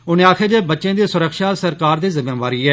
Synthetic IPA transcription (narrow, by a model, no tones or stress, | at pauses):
ʊnẽːaːkʰeːd͡ʒ̪eːbətːʃẽːd̪eːsʊɾəkʃaːsəɾkaːɾd̪iːzɪmẽːʋaːɾiːɛː